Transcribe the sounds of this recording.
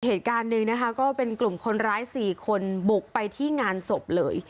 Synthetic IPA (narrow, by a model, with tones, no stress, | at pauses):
heː˨˩t̪̚kaː˧nːɯ˧ŋna˦˥kʰa˦˥kɔː˥˩pe˧nklu˨˩mkʰo˧nɾaː˦˥jsiː˨˩kʰo˧nbu˨˩k̚pa˧jt̪ʰiː˥˩ŋaː˧nso˨˩p̚lɤ̰ː˧j